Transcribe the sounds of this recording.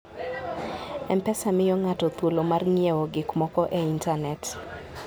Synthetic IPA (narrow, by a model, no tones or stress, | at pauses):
ɛmpɛsamɪjɔŋatɔt̪wolomarŋɪɛoɡɪkmɔkɔʔeintanɛt